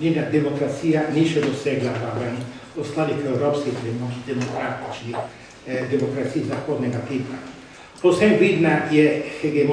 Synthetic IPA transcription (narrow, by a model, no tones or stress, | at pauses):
ninad̪emokɾat̪sianiʃed̪osɛɡlaawɛn | lost̪ad̪ikewɾɔpsketɾemod̪emokɾat̪it͡ʃi | d̪emokɾat̪siːzakːɔd̪neɡat̪iva | kosɛvid̪najɛeɡem